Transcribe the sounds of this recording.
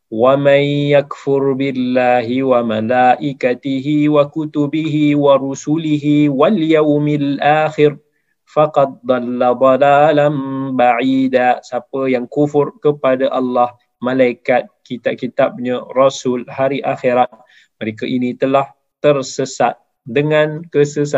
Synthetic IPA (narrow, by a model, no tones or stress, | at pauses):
wamanjakfʊɾbɪlːaːɦiwamalaʔikat̪iɦiwakut̪ubiɦiwaɾusuliɦiwaljawmalʔaːxɪr | faqɑd̪̚d̪ˤɑlːad̪ˤɑlaːlanbaʕidasapəjaŋkufʊrkəpadaʔalːah | mãlaikat̪̚kit̪ab̚kit̪ab̚ɲarɔsʊlhaɾiʔaxiɾat̚ | məɾekaʔinĩt̪əlah | t̪ərsəsa̰t̪̚ | dəŋãnkəsəsa